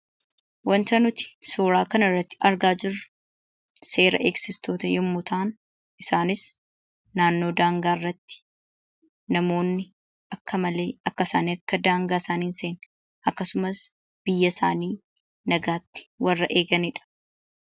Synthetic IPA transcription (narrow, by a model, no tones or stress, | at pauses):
wɐnt̪ɐnʊt̪ɪ̥soːɾaːkɐnɐrːɐt̪ːɪ̥ʔɐɾɡaːd͡ʒɪrʊ̥ | seːɾɐ̰ʔeːksɪst̪o̞ːt̪ɐjɛmːʊt̪ʰaːn | ʔɪsaːnɪs | naːnːo̞ːd̪aːŋɡaːrːɐt̪ːɪ̥ | nɐmo̞ːnːɪ | ɐkːɐmɐle̞ːʔɐkːɐsaːniːɐkːɐd̪aːŋɡaːsaːniːnseːn | ʔɐkːɐsʊmɐs | b̥ɪjːɐsaːniː | nɐɡaːt̪ːɪ̥wɐrːɐʔe̞ːɡɐnɪᶑɐ̥